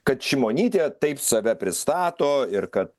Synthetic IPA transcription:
kɐt̪ʃʲɪmoːnʲiːt̪ʲeːt̪ɐɪpsɐʋʲɛpʲɾʲɪst̪ɑːt̪oːɪɾkɐt̪̚

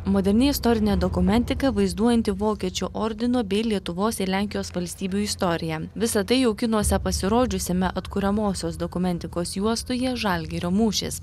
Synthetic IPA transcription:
moːd̪ʲɛɾʲnʲɪɪst̪ɔɾʲɪnʲeːd̪ɔkʊmʲɛnʲt̪ʲɪkɐʋɐɪzd̪uɔjɛnʲt̪ʲɪʋoːkʲiɛt͡ʃʲuʔɔɾʲd̪ʲɪnobʲɛɪlʲiɛt̪ʊʋoːsɪlʲæːˑŋʲkʲɪjoːsʋɐlʲsʲt̪ʲiːbʲuːɪst̪ɔɾʲɪjɛʋʲɪsɐt̪ɐɪjɛʊkʲɪnuɔsʲɛpɐsʲɪɾoːd͡ʒʲʊsʲɪmʲɛʔɐt̪kʊɾʲɛmoːsʲoːsd̪ɔkʊmʲɛnʲt̪ʲɪkoːsjuɔst̪ojɛːʒɐˑlʲɡʲɛɾʲoːmuːʃʲɪ̰s

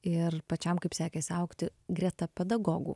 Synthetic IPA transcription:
ɪrpɐt͡ʃʲɛmkɐɪpsʲæːkʲɛːsʲɪɐʊkt̪ʲɪɡɾʲɛt̪ɐpʲɛd̪ɐɡoːɡṵː

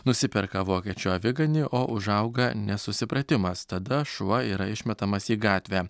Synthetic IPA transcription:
nʊsʲɪpʲɛɾkɐʋoːkʲiɛt͡ʃʲuːɐʋʲɪɡɐnʲɪʔoːʔʊʒɐʊɡɐnʲɛsʊsʲɪpɾɐt̪ʲɪmɐst̪ɐd̪ɐʃuɐiːɾɐɪʃʲmʲɛt̪ɐmɐsiːɡɑːt̪ʲʋʲæː

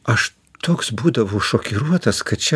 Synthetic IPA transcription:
ɐʃ | t̪ʰoːksbuːd̪ɐʋoːʃɔkʲɪɾuɔt̪ɐskɐt̪t͡ʃʲɛ

